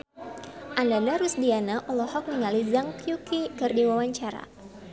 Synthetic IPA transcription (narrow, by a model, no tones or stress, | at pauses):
ʔandadaɾusdianaʔɔlɔhɔk̚niŋalizaŋkjukikɨrdiwawaɲt͡ʃaɾa̰